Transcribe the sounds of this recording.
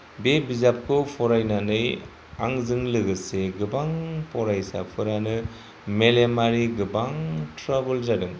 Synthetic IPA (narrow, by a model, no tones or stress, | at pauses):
bebizap̚kʰɯpʰɔɾajnanɯj | aŋzɯŋlɯɡɯseɡɯbaŋpʰɔɾajsa̰pʰɯɾanɯ | melemaɾiɡɯbaŋtɾabɯlzadɯŋ